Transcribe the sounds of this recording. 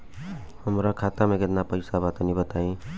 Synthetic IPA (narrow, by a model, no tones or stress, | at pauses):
həmɾakʰat̪ameɡet̪napəɪsabat̪nibət̪aĩ